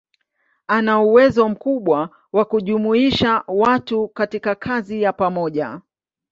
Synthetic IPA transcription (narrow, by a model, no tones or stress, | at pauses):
anauwɛzɔm̩kuɓwa | wakuʄumuiʃawatukatikakʰazijapamɔʄa